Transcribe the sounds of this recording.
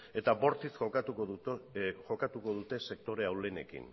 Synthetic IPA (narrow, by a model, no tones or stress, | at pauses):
e̞t̪abo̞ɾt̪isxou | ʝo̞kat̪uko̞ðut̪e̞se̞k̚t̪o̞ɾe̞awle̞ne̞̰kḭn